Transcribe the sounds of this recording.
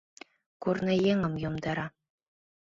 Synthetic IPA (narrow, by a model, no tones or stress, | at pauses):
kurnɤ̆jeŋɤ̆mjŏmd̪ɑɾɑ